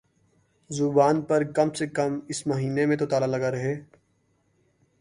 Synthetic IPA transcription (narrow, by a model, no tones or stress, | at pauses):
zʊbaːnpɐɾkɐmsekɐmɪsmɐɦiːnemẽt̪ot̪aːlalɐɡaɾɐɦeː